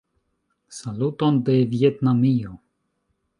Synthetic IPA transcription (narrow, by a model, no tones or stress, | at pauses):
saluto̞nde̞vje̞tnamio̞